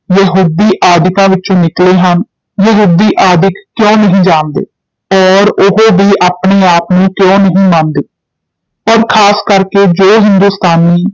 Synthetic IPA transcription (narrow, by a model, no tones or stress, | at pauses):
jəɦuːd̪iːʔaːd̪ɪkãːʋɪtːt͡ʃõːnɪkleːɦən | jəɦuːd̪iːʔaːd̪ɪkːjõːnəɦĩːd͡ʒaːnd̪ḛː | ɔːɾʊɦoːʋiːʔaːpɳeːaːpnũːkjõːnəɦĩːmãːnd̪eː | pəɾkʰaːskəɾkeːd͡ʒoːɦɪnd̪uːst̪aːniː